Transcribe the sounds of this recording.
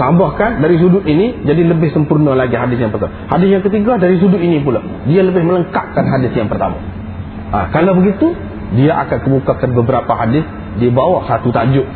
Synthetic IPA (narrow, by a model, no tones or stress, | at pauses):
t̪ambahkandaɾis̬udʊʔ̪inid͡ʒadiləbɪhsəmpurnalaɡiɦadɪs̬jaŋpərt̪amahadɪsjaŋkət̪iɡadaɾis̬udʊʔinipula | dialəbɪhmələŋkaʔkanɦadɪsjaŋpərt̪ama̰ | ʔa̰kalawbəɡit̪u | diaʔa̰kankəbukakanbəbəɾapaɦadɪs | diabawahsat̪ut̪ad͡ʒʊʔ